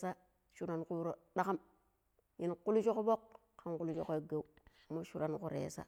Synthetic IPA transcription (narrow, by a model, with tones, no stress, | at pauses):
sa˦ | ʃu˦ɾa˨nku˦ɾo˨ɗa˦ka˦m | ji˦nku˦lu˦t͡ʃo˦ko˦bo˦kː | a˨nku˦lu˦t͡ʃo˨ko˦˨ɡe˦u˦ | mo˦ʃu˦ɾa˨nkṵ˨ɾḛ˨sa̰˦